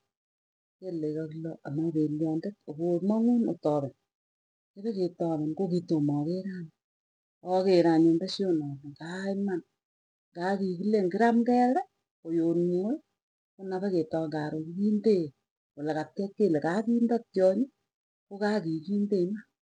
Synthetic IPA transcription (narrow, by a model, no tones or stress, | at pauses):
kelekakloamabeljɔːndetokomɔŋunotɔːbɛn | kebeketɔːmɛnkokitomɔkeɾan | ɔkeɾaɲonbeʃonɔnŋkaiman | ŋɡakikileŋɡɪɾamkɛɾɛ | ojonmo | konabeketɔŋɡaɾokikinde | wolekatkɛkːelekakiːndatjɔɲi | kokakikindema